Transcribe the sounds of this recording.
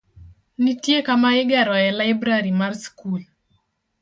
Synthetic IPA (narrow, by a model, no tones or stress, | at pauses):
nitjekamaɪɡɛɾɔɛlaɪbɾaɾimarskul